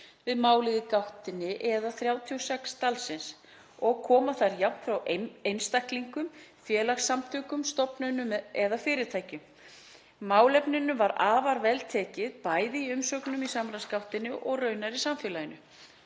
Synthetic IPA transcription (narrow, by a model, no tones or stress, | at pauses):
vɪðmaːwlɪðɪkawht̪ɪnːɪʔɛðaθɾjaːwt̪ʰiowsɛkst̪alsɪns | ɔɣkʰɔːmaθaɾjawh̪t̪fɾawejnst̪ahkliŋkʏmfjɛːlaxsːamt̪ʰʏːkʏmst̪ɔpnœɥnʏmɛðafɪːɾɪɾt̪ʰaːjcʏmː | aːwlɛpnɪnʏvaɾaːvaɾvɛlt̪ʰɛːcɪðpaːjðɪiʏmsœknʏmisamɾanskawht̪ɪnːɪʔɔɣrœːɥnaɾisamfɛːlajɪnʏ